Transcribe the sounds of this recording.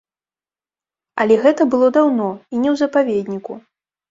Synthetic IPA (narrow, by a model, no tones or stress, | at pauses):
ɐlʲɛɣɛt̪ɐbɨlˠɔd̪awnɔinʲɛwzɐpavʲed̪ʲnʲiku